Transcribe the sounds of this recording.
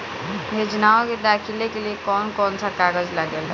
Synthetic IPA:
ɦed͡ʒənaɔked̪akʰilekeliekɔnkɔnsakaɡəd͡ʒlaɡel

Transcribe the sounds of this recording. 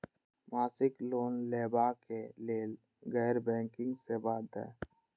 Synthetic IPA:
maːsɪkloːnleːbaːkeleːl | ɡɛːɾbɛ̃ːŋkɪ̃ŋɡsebaːd̪ɛ̰ː

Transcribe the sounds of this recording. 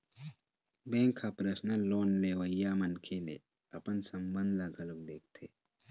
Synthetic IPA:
bẽːŋkʰːapɾəsnaloːnleːʋəjːaːmɐnkʰenḛ | ɐpənsɐmbə̃nd̪laɡɐlʊk̚d̪eːk̚ʰt̪ʰeː

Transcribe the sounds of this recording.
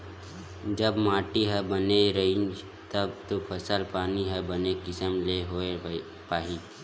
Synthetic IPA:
d͡ʒəbmaːʈiɦəbəneɾɐit͡ʃ | t̪əbt̪opʰəsəlpaːniɦəbənekɪsəmleɦoːe | paːɦi

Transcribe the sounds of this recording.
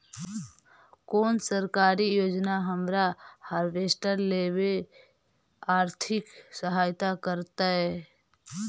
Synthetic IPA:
koːnsəɾkaːɾijoːd͡ʒnaɦəmɾahaːɾbeːsʈəɾleːbe | aːɾt̪ʰɪksəɦaːjt̪akəɾt̪aɦɛ

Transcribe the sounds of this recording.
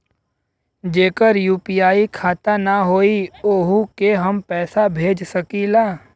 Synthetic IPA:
d͡ʒeːkəɾjuːpijaːikʰaːt̪anaɦoːioːɦukeɦɐmpɛːsabʱeːd͡ʒsɐkilaː

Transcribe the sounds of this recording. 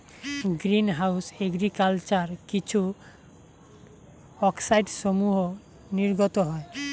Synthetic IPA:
ɡɾinɦawseɡɾikalt͡ʃaɾkit͡ʃʰu | ɔksajɖsomuɦo | niɾɡɔt̪ɔɦɔe

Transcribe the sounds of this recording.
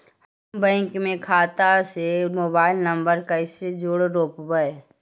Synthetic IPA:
həmbɛ̃ːŋkmẽkʰaːt̪asemoːbaːɪlnɐ̃mbəɾkaɪsed͡ʒʊɽɾoːpbəe

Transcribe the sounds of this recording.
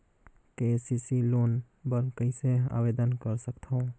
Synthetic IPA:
kesisiloːn | bəɾkəɪsea̰bed̪ənkəɾsəkt̪ʰõ

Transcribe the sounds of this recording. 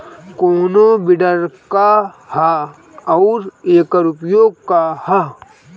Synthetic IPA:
koːnobɪɖəɾkaha | ɔʊɾeːkəɾʊpjoːɡ̚kaha

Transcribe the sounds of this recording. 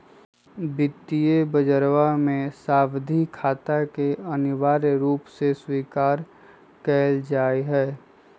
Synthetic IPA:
bɪt̪ːijebəd͡ʒəɾwamẽsaːbd̪ʱikʰaːt̪akeənɪwaːɾɾuːpseswiːkaːɾ | kɛːld͡ʒaːiɦɛː

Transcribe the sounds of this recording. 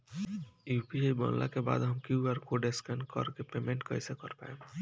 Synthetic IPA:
jupiajbə̰nla̰keba̰d̪ɦəmkuaɾkoɖeskankə̰ɾkepemẽɳʈkəjsekəɾpa̰e

